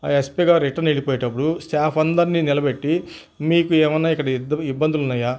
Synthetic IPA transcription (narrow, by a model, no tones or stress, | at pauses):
aespiɡaːɾiʈːɐɾneɽipoːjeʈɐp̬ːuɽusʈaːpʰɐnd̪ɐɾninilɐbe̞ʈːi | miːkuɛːmɐnːaːikːɐɽɐibːɐnd̪ulunːaːjaː